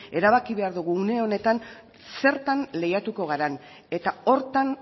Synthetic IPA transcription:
e̞ɾaβ̞akiβe̞aɾðuɣ̞uːne̞o̞ne̞t̪an | se̞ɾt̪anle̞jat̪uko̞ɣ̞aɾan | e̞t̪ao̞ɾt̪an

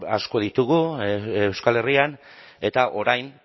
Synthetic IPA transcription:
a̰sko̞ð̞it̪uɣuewskale̞rian | e̞t̪aʔo̞ɾajn

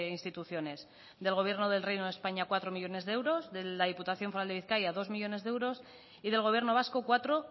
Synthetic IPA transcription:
inst̪it̪uθjo̞ne̞s | ðe̞lɣ̞o̞β̞je̞ɾno̞ðe̞lrejnoðe̞spaɲakwat̪ɾo̞miʎo̞ne̞zðee̞wɾo̞zðelað̞iput̪aθjo̞ɱfoɾald̪eiθkajaðo̞zmiʎo̞ne̞zðeewɾo̞s | iðe̞lɣ̞o̞β̞je̞ɾno̞β̞asko̞kwat̪ɾo̞

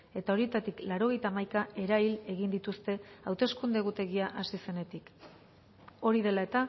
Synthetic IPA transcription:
e̞t̪ao̞ɾie̞t̪at̪iklaɾo̞ɣe̞jt̪aːmajkae̞ɾaile̞ɣind̪it̪ust̪e̞awt̪e̞skund̪e̞ɣut̪e̞ɣiaʔasise̞ne̞t̪ik | o̞ɾið̞e̞lae̞t̪a

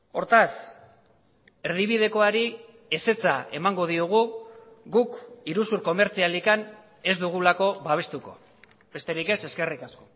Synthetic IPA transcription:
o̞ɾt̪as | e̞ɾð̞iβ̞ið̞e̞ko̞aɾi | e̞se̞t͡sae̞maŋɡo̞ð̞iuɣ̞u | ɡukiɾusuɾko̞me̞ɾt͡sialikan | e̞zd̪uɣ̞ulako̞βaβ̞e̞st̪uko̞ | be̞st̪e̞ɾike̞se̞ske̞rikasko̞

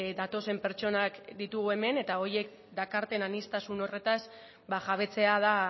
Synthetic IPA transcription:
d̪at̪o̞se̞mpe̞ɾt͡ʃo̞nakd̪it̪uɣue̞me̞ne̞t̪ao̞ɾje̞k | d̪akaɾt̪e̞nanist̪asuno̞re̞t̪as | baʝaβ̞e̞t͡se̞að̞a

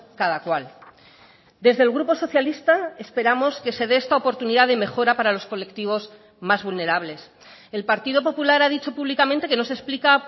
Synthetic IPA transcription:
kaðakwal | d̪e̞zðe̞lɣɾupo̞so̞θjalist̪ae̞spe̞ɾamo̞ske̞se̞ðe̞est̪aopo̞ɾt̪uniðaðe̞me̞xo̞ɾapaɾalo̞sko̞le̞kt̪iβ̞o̞z | mazβulne̞ɾaβle̞s | e̞lpaɾt̪iðo̞po̞pulaɾað̞it͡ʃo̞puβlikament̪eke̞no̞se̞splika

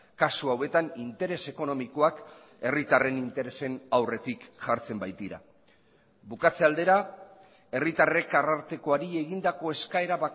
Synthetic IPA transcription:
kasuawe̞t̪anint̪e̞ɾe̞se̞ko̞no̞miko̞ak | e̞rit̪are̞nint̪e̞ɾe̞se̞nawre̞t̪ikʝaɾt͡se̞mbajt̪iɾa̰ | bukat͡se̞ald̪e̞ɾa | e̞rit̪are̞karaɾt̪e̞ko̞aɾie̞ɣ̞ind̪ako̞e̞skae̞ɾaβa

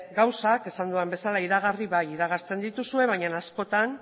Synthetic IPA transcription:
ɡawsake̞sand̪uambe̞salaiɾaɣ̞ariβajiɾaɣ̞aɾt͡se̞nd̪it̪usue̞β̞ajɲanasko̞t̪an

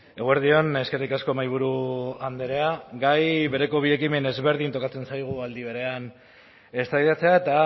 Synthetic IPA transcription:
e̞ɣueɾðio̞ne̞ske̞rikasko̞majβ̞uɾuand̪eɾe̞aɡajβe̞ɾe̞ko̞β̞ie̞kime̞ne̞zβe̞ɾðint̪o̞kat͡se̞nsajɣ̞uald̪iβ̞e̞ɾe̞an | e̞st̪ajðat͡se̞ae̞t̪a

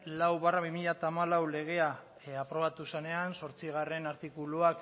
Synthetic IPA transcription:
lawβaraβimiʎat̪aːmalawle̞ɣ̞e̞a | apɾo̞βat̪usene̞anso̞ɾt͡siɣ̞are̞naɾt̪ikuluak

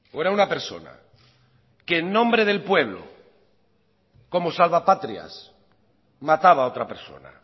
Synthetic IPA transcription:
oeɾaunape̞ɾso̞̰na̰ | keːnːõ̞mbɾe̞ð̞e̞lpwe̞βlo̰ | ko̞mo̞salβapat̪ɾia̰s | mat̪aβaot̪ɾape̞ɾso̞̰na̰

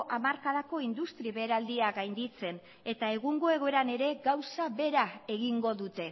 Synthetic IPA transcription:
ʔamaɾkaðako̞ind̪ust̪ɾiβe̞ːɾald̪iaɡajnd̪it͡se̞n | e̞t̪ae̞ɣuŋɡo̞e̞ɣ̞o̞eɾane̞ɾe̞ɡawsaβe̞ɾae̞ɣiŋɡo̞ðut̪e̞

